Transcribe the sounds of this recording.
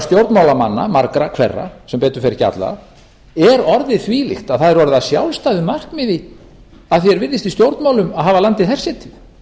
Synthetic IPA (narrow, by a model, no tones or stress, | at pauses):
st̪jowɾt̪mawlamanːa̰maɾkɾakʰvɛ̰rːa̰sɛmpɛːt̪ʏɾ̥fɛɾɪçca̰t̪la̰ | ɛɾɔɾðɪθviːlɪ̰xt̪aðθaðɛɾɔɾðasjawlst̪ajðɪmar̥kmɪði | aðθjɛɾvɪðːɪst̪ist̪jowɾt̪nmawlʏmaðɦaːvalant̪ɪθɛr̥sjɛt̪ʰɪ